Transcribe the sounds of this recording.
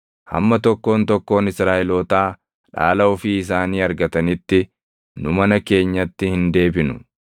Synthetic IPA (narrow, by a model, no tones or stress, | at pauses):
hɐ̰mːɐt̪ɔkːo̞ːnt̪ɔkːo̞ːnɪsɾaːʔɛloːt̪aː | ᶑa̰ːlɐʊfiːɪs̬aːniːɐɾɡɐt̪ɐnɪt̪ːɪ | nʊmɐnɐke̞ːɲːɐt̪ːɪhɪnd̪e̞ːbɪnʊ̥̰